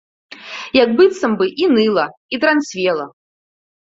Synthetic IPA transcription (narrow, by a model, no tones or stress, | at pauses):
jak̚bɨt̪sɐmbɨʔinɨlˠɐit̪ɾansʲvʲɛlˠɐ̰